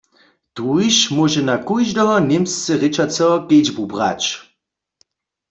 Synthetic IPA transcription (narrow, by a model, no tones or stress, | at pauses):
t̪ujʃmɔʒɛnakujʒdɔɔnemst͡sɛʁet͡ʃat͡sɛɔked͡ʒbubʁa̰t͡ʃ